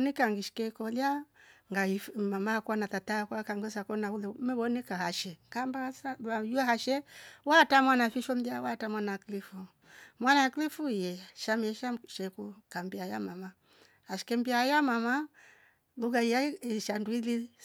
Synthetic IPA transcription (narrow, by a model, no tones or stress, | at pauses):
nikaŋɡiʃi̥kɛkɔljaŋɡaimamakanatatakwakaŋɡɛsakɔnaulɛmɛβɔnɛkahaʃɛŋkambasaajuaɦaʃɛwatamwanafiʃɔmbiawatamwanaklifu | mwanaklifujɛʃamɛɛʃaʃɛkukambiaja̰mama | haʃi̥kɛmbiajamama | luɡaijaiʃanduili